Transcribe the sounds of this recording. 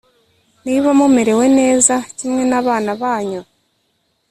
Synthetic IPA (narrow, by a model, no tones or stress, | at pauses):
niβamumeɾe̞we̞ne̞ːzacimŋe̞naːβaːnaβaːɲo